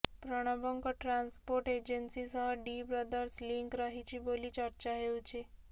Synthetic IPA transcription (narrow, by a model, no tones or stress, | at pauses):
pɾəɽ̃ɔbəŋkoʈɾanspoɾʈed͡ʒensisəɦəɖibɾəd̪əɾsliŋkɾəɦit͡ʃibolit͡ʃəɾt͡ʃaɦeũt͡ʃʰe